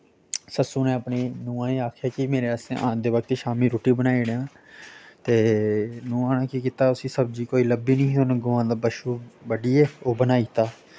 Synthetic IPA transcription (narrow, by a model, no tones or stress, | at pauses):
səsuːnẽːəpneːnũːãːeːaːkʰjaːkimeːɾeːəsḛ̃ːʔa̰ːnd̪eːbək̚t̪eːʃaːmĩːɾoːʈiːbənaːiːɽãː | t̪eːnũːaːɳãːkiːkiːt̪aːʊsĩːsəb̚d͡ʒiːkoːiːləbiːnĩːt̪oːnẽːɡʊãːd̪aːbəʃuːbəɖiːɛːoːbənaːiːt̪aː